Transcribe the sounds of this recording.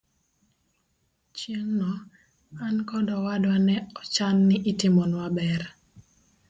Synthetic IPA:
t͡ʃjeŋnɔ | ankɔdɔwadwanɛɔt͡ʃanːɪʔɪtɪmɔnwabɛr

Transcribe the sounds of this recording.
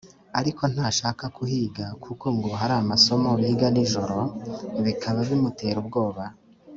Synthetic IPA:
aɾiko̞n̥haːʃaːkakuhiːɡakʰukoŋɡoɦaɾaːmaso̞moβiːɡaniʒo̞ɾo̞βikʰaβaβimute̞ːɾubɡo̞ːβa

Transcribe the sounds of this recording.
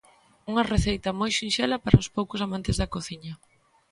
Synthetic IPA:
uŋɐreθejt̪ɐmojʃinʃɛlɐpaɾɐʊspowkʊsamãnt̪ɪzðɐkoθiɲɐ

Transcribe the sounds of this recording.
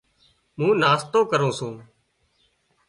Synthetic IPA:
mũːnaːst̪õːkəɾõːsũː

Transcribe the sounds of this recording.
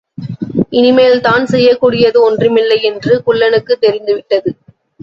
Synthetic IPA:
ʔɪnɪmeːlt̪aːnsɛjːɐkːuːɽɪjɐðɯɔndrɯmɪlːɐɪɛndrɯkʊɭːɐnɯkːɯt̪ːɛɾɪnd̪ɯʋɪʈːɐðɯ

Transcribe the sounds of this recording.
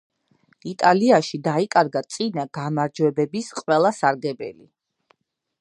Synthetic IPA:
it̪ʼaliaʃid̪aikʼaɾɡat̪sʼinaɡamaɾd͡ʒwɛbɛbisqʼwɛlˠasaɾɡɛbɛ̰lḭ

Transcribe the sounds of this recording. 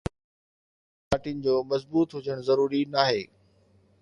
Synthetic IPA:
aːʈinɪ̆d͡ʑoːmɐzbuːt̪ɦʊd͡ʑəɽ̃zɐɾuːɾinaːɦeː

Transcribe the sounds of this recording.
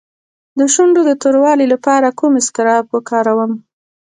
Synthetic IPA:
d̪əʃuɳɖod̪ət̪oɾwɑlilapɑɾakumɪskɪɾɑbwəkɑɾawəm

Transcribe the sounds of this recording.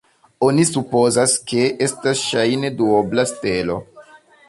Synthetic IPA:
o̞nisupo̞zaske̞ʔe̞stasʃajne̞duoblaste̞lo̞̰

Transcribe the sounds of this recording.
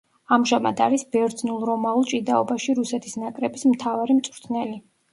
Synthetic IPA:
amʒamad̪aɾisbɛɾd̪znulˠɾɔmaulˠt͡ʃʼid̪aɔbaʃiɾusɛt̪ʰisnakʼɾɛbismt̪ʰavaɾimt̪sʼɾt̪ʰnɛli

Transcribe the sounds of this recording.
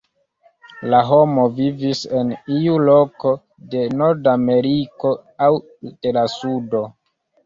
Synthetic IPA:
laɦo̞mo̞vivise̞niulo̞ko̞ | de̞noɾdame̞ɾiko̞aw | utelasudo̞

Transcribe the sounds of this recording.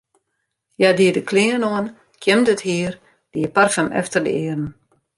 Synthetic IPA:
jadiədəkʰliənoən | kʰjəmdəthiər | d̥iəparfəmʔɛ̰ftərdə̰ɪːərn̩

